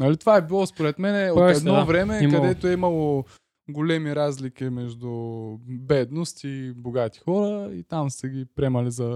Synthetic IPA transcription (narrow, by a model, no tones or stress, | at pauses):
nɐlit̪ovaɛbilˠɔspoɾɛt̪mɛnɛoɛd̪nvɾɛmɛkɐd̪ɛt̪oɛimɐlˠo | ɡolɛmiɾazlikimɛʒd̪ubɛd̪nost̪iboɡat̪i̥xɔɾəḭt̪amsɛɡʲipɾɛmɐlizɐ